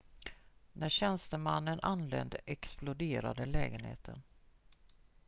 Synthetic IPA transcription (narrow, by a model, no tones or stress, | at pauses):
næɕɛnst̪əmanːənʔanlɛ̰nd̪ʔɛksplʊd̪eːɾa̰d̪əlɛːɡənhḛːt̪ʰə̰n